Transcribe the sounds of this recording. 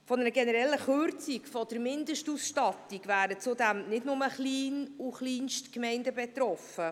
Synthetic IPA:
fɔnɛɾəɡɛnəɾɛlːəχʏɾt͡sikfɔd̥əɾmɪndəʃtusʃtɑt̪iɡ̥væːɾət͡sudæmnɪdnʊməχliːnuχliːnʃtkmɛɪndəbɛt̪ɾɔfə

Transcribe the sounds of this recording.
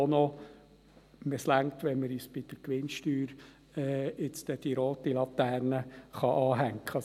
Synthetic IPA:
onɔ | məslæŋt̪ʋɛnməɾyːsb̥ɪd̪̥əɾkʋɪnʃtyːɾ | ɛːɪt͡st̪ɛd̥iɾoːt̪ilɑt̪æːɾnəχɑʔɑːɦæŋkχə

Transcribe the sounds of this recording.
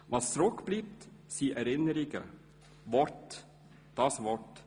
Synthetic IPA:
ʋɑstɾɔkb̥liːp̚tsiːʔɛɾɪnəɾɪɡə̰ | vɔɾt | d̥ɑsvɔɹt

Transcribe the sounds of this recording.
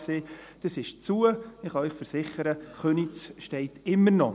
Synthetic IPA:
seːd̥əsɪʃt͡suəɪχɑœʏχfəɾsɪχəɾəχønit͡sʃtɛɪtɪmːərnɔ

